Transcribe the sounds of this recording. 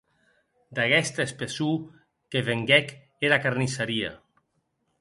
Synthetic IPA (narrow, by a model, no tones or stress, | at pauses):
d̪aɣɛst̪espesu | keβeŋɡɛk | eɾakaɾnisaɾia̰